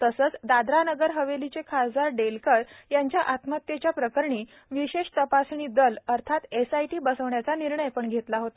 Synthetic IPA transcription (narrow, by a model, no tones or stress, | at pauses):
t̪əsəːt͡sd̪ad̪ɾanəɡəɾɦəʋelit͡sekʰad͡zaɾɖelkəɽjaɲt͡ɕjaʔat̪mət̪jet͡ɕjapɾəkəɾɳiː | ʋiɕeʂt̪əpasɳ̃iːd̪ələɾt̪ʰat̪esajʈiːbəsəʋɳjat͡saniɾɳəjpəɳɡʱet̪laɦot̪a